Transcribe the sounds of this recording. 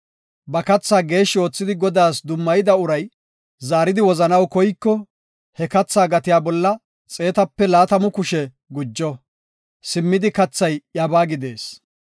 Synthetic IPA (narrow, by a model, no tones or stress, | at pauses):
bɐkɐt͡sːaːɡe̞ːʃːɪo̞ːt͡sːɪd̪ɪɡɔd̪aːsd̪ʊmːɐjɪd̪ɐʊɾɐj | zaːɾɪd̪ɪwɔzɐnɐwkɔjkːɔ | hɛkɐt͡sːaːɡɐt̪ɪjaːbɔlːɐ | t͡sʼe̞ːt̪ɐpːɛlaːt̪ɐmʊkʊʃɛ | ɡʊd͡ʒːɔ | sɪmːɪd̪ɪkɐt͡sːɐjjɐbaːɡɪd̪e̞ːs